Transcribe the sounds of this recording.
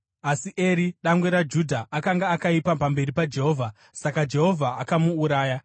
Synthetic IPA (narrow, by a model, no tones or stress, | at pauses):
asiʔeɾiɗamɡwe̞ɾad͡ʒudʱaʔakaŋɡaːkaipapambe̞ɾipad͡ʒe̞ɦo̞ːvʱa | sakad͡ʒe̞ɦo̞vʱaʔakamuːɾaːja